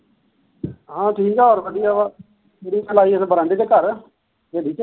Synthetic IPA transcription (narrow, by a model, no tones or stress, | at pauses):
ɦãːʈʰiːkɛoːɾʋəɖijaːa | eɾiːt͡ʃəlaːiːəsbəɾə̃ɳɖeːt̪eːkəɾ | ʋeːliːt͡ʃ